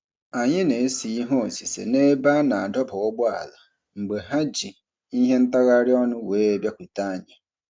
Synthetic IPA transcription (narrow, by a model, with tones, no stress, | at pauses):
a˨ɲɪ̃˦nẽ˨˦si˨˦ɦɔ̃˦˨si˨sḛ˨ne˦ba˦nã˨a˨dɔ˦pʰɔ˨wɔ˦bʊ˦a̰˨la˨ | m̩˨ɡ͡be˨ɦa˦d͡ʑi˨ | ni˦ɦɛ˦n̩˦ta˦ɣa˦ɾɪ˦ɔ˦nʊ̃˦we˦˨bja˦kʷi˨ta˦˨ɲã˨